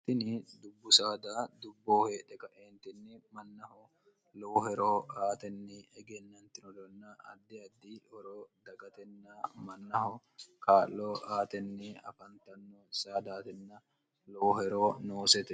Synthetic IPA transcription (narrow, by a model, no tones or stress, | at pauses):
t̪ːɪnɪd̪ʊbːʊsaːd̪aːd̪ʊbːoːheːᶑɛkɐʔeːnt̪ɪnːɪmɐnːɐhɔ | loːhɛɾoːaːt̪ɛnːɪɛɡɛnːɐnt̪ɪnɔd̪ɔnːɐɐ̰d̪ːɪɐd̪ːiɔɾoːd̪ɐɡɐt̪ɛnːɐmɐnːɐhɔ | kaːlːoːaːt̪ɛnːɪɐ̰fɐnt̪ɐnːosaːd̪aːt̪ɛnːɐ | loːhɛɾoːnoːsɛt̪ɛ